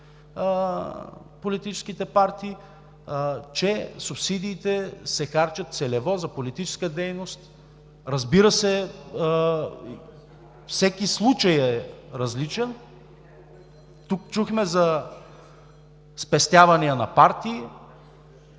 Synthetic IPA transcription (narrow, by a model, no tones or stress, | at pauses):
polit̪it͡ʃɛ̥skit̪ɛpaɾt̪iː | t͡ʃɛsupsid̪iːt̪ɛsɛxaɾt͡ʃɐt̪t̪sɛlɛvɔzɐpolit̪it͡ʃɛ̥skəd̪ɛjnost̪ | ɾɐzbiɾəsɛ | fsɛk̟islˠut͡ʃɐjɛɾɐzlit͡ʃɛn | t̪ukt͡ʃuxmɛzɐ | spɛst̪javɐniənɐpaɾt̪iː